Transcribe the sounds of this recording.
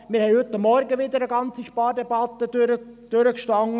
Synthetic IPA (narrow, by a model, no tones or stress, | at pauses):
mɪːɾhɛɪhʏt̪ːɑmːɔɾɡəʋɪd̪əɾəɡɑnt͡siʃpɑːɾdɛbɑt̪ːədøɾəd̥øɾəkʃtɑŋ